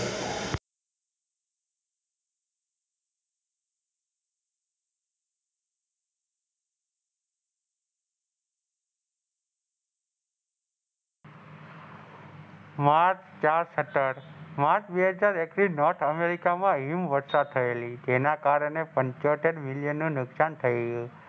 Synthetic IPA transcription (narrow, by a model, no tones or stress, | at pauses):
mãt͡ʃt͡ʃaɾsəʈəɾmãt͡ʃbeɦəd͡ʒaɾekɾinɔʈʰəmeɾikamãɦimʋəɾsad̪̚t̪ʰəelid͡ʒenakaɾɳepəɲt͡ʃoʈeɾmɪljənːũnʊksant̪ʰəeju